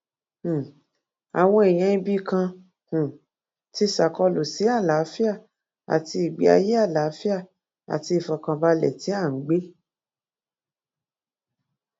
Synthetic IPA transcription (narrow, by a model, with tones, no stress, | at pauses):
a̰˨w̃ɔ̃˧e˨j̃ɛ̃˨˧ĩ˧bi˦kã˧ | hũ˨ | ti˧˦sa˨kɔ˧lo˨si˨˦a˦˨la˨˦fi˦a˦˨ | a̰˨ti˧i˨ɡ͡bi˨˦a̰˧je˦a˦˨la˨˦fi˦a˦˨ | a̰˨ti˧i˨fɔ˨kã˧ba˧lɛ̰˨ti˨˦a˦˨ŋ̩˦ɡ͡be˦